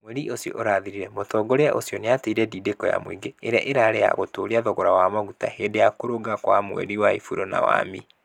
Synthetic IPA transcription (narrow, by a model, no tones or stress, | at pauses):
mwɛɾiʔosjɔ̰ʔoɾaðiɾiɾɛmotɔɡoɾeaʔosjɔneateiɾɛdiːdekɔja̰mwiɡeːɾeaʔeɾaːɾeja̰ɣotoːɾiaðɔɣɔɾawamaɣutaheːdejakoɾoɡakwamwɛ̰ɾiwaefuɾona̰wa̰mi